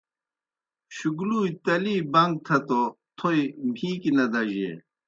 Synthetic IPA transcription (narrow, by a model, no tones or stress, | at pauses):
ɕuɡluːit̪ɐliːbɐŋɡ̚t̪ʰɐt̪o | t̪ʰoimiːkinɐd̪ɐʑḛ